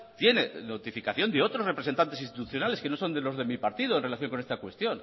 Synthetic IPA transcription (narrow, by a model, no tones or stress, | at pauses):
t̪je̞ne̞no̞t̪ifikaθjo̞nd̪eo̞t̪ɾo̞sre̞pɾeent̪ant̪esinst̪it̪uθjo̞nale̞ske̞no̞so̞nd̪e̞lo̞zðe̞mipaɾt̪iðoenre̞laθjo̞ŋkonest̪akwe̞st̪jo̞n